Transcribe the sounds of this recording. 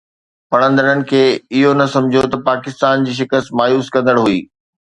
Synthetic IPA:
pɐɽ̃ə̃nd̪əɽənɪ̆kʰeːɪɦonɐsɐ̃md͡ʑʱot̪ɐpaːkɪst̪aːnd͡ʑiːʃ̬ɪkəst̪maːjuːskɐ̃nd̪əɽɦuiː

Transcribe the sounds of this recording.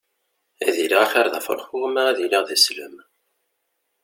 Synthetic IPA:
æðiliʁæçæɾðæ̰fə̰ɾˤfuʁmæʁæðiliʁðæslə̰m

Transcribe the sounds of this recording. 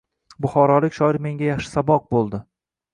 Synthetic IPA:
bʊχɒɾɒlɪkʲʃɒɪɾme̞ŋɡʲajɑχʃɪ̥sabɒq̚bolˠd̪ɪ

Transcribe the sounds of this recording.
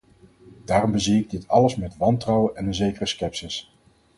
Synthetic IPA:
d̥aːrɔmbəziɪɡ̚dɪtʰɑləsmɛtʋɑntrɑwənʔɛnənzejkərəskɛpsɪs

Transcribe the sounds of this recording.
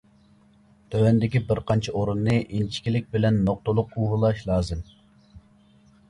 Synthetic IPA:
t̪ʰøwɛnd̪ɪkʲibɪɾqʰɑnt͡ʃʰɑoɾunːɨʔint͡ʃʰi̥kʲilɪkʲbɪlɛnːoq̚t̪olˠʊquɦulˠɑʃlˠɑːzɨm

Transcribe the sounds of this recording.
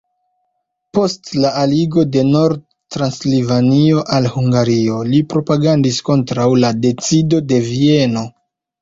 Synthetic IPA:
po̞stlaːliɡo̞de̞no̞ɾd̚ | tɾanslivanio̞ʔalhuŋɡaɾio̞lipɾo̞paɡandisko̞ntɾawlade̞t͡sido̞de̞vie̞no̞

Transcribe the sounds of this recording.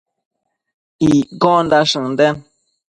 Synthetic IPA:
iɡɔ̃n̩daʃɨŋn̩dɛn

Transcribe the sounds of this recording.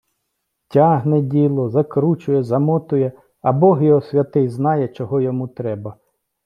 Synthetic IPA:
tʲɑɦnɛdʲilˠɔzɐkɾut͡ʃʊjɛzɐmɔt̪ʊjɛ | ɐbɔɦjɔɦɔsʲʋʲɐt̪ɪjznɑjɛt͡ʃɔɦɔjɔmut̪ɾɛbɐ

